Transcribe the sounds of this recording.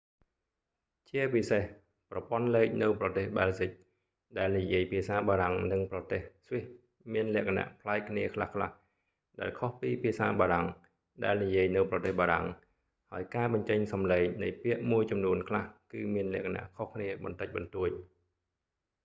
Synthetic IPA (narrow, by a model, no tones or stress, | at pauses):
t͡ɕiəpiseh | prɑpŏənleːk̚nɨwprɑt̪eːhɓaːlzic̚ | ɗaɛlnijiəjpʰiəsaːɓaːɾaŋnɨŋprɑt̪eːhsʋiəh | miənlɛ̆əkʰana̰ʔpʰlaɛk̚kʰːniəkʰlahkʰla̰h | ɗaɛlkʰohpiːpʰiəsaːɓaːɾaŋ | ɗaɛlnijiəjnɨwprɑt̪eːhɓaːɾa̰ŋ | haəjkaːɓɑɲt͡ɕəɲsɑmleːŋnɨjpiəʔmuəjt͡ɕɑmnuənkʰlahkɨːmiənlɛ̆əʔkʰana̰ʔkʰohkʰniəɓɑ̰nt̪ɨc̚ɓɑnt̪uəc̚